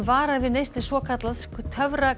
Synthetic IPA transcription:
vaːɾavɪnejst̪ɪsvɔːkʰat̪laðkt̪ʰœvɾa

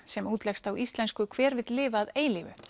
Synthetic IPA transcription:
sɛmuːt̪lɛxst̪awʔist̪lɛnskʏkʰv̥ɛːɾvɪt̪lɪːvaðeːjlivʏ̰

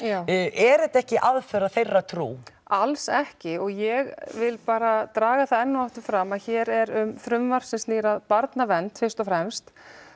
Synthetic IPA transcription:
jaːwɛɾɛt̪ɛhcɪʔaðfœɾaðθejrːat̪ʰɾṵː | alsɛhcɪɔɣjɛɣvɪlpaːɾat̪ɾaːɣaθaðɛnːʏaft̪ʏɾfɾamaðçɛːɾɛɾʏmθɾʏmvaɾ̥sɛmsliːɾaðpaɾt̪navɛnt̪fɪr̥st̪ɔfɾɛmst̪

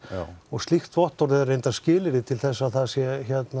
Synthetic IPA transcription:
ɔɣst̪lixt̪vɔht̪ɔɾðɛðɾrejnt̪ascɪːlɪɾɪt̪ʰɪlθɛsːaθaðsjɛçɛt̪na

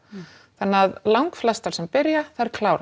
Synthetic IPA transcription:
θanːaðlawŋkflɛst̪al̥sɛmpɪɾjaθaɛɾkʰlaːwɾ

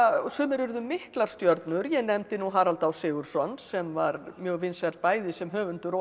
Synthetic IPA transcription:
sʏːmɪɾʏɾðʏmːɪhklaɾ̥st̪jœɾt̪nʏɾjɛnɛmt̪ɪnuɦaːɾalt̪awsɪːɣʏɾ̥sɔnːsɛmvaɾmjœːɣvɪnsɛɾt̪paːjðɪsɛmɦœːvʏnt̪ʏɾɔ

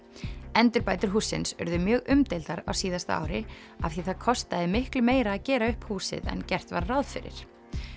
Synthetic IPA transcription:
ɛnt̪ʏɾpaːjt̪ʏɾ̥ɦuːsːɪ̰nsœ̰ɾðʏmjœːɣʏmt̪ejlt̪aɾa̰wsiːðast̪a̰a̰ːwɾɪ | afθiθaðkʰɔst̪aðɪmɪhklʏmeːjɾaːðcɛːɾaʏhphuːsɪ̰ðɛ̰ncɛr̥t̪vaɾrawðfɪɾɪ̰ɾ̥

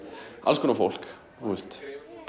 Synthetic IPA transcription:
a̰lskʰɔnafo̰wl̥k | θuɛst̪

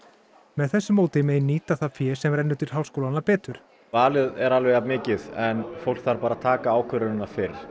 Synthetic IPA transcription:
mɛðθɛsːʏmoːwt̪ɪmeːjnːiːt̪aθafjɛ̥ːsɛmrɛnːʏt̪ɪɾ̥ɦaːwl̥skowlanapɛːt̪ʏɾ̥ | vaːlɪðɛɾalvejamɪːcɪðɛnfowl̥kθaɾpaːɾaðt̪ʰaːkaaːwkʰœɾʏnɪnafɪɾɪɾ̥

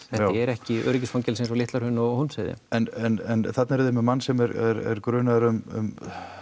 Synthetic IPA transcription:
θɛh̪ɪɛɾɛhcɪœ̰ːɾɪcɪsfaŋcɛlsensɔlɪht̪laɾhʏnːɔɣhunseːðɪ̰ɛnɛnɛnθat̪naɾɪðɪmɛmanːsɛmɛɾɛɾɛ̰ɾkɾʏːnaðɾʏmʏ̰m

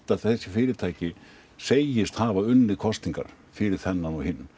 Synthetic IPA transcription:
t̪aðθɛsːɪfɪːɾɪt̪ʰaːjcɪ | seːjɪst̪haːvaʏnːɪðkʰɔst̪niŋka̰ɾ̥ | fɪɾɪɾ̥θɛnːanɔhɪnː

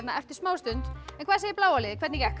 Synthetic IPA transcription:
t̪naɛft̪ɪɾ̥smaːwst̪ʏnt̪ɛnkʰvaːsejɪɾplaːwalɪðɪkʰvɛt̪nɪcɛhk

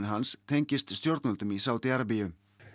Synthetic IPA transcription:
nɦanst̪ʰejɲcɪst̪st̪joɾt̪nɔlt̪ʏmisawt̪iaɾap̬ijʏ

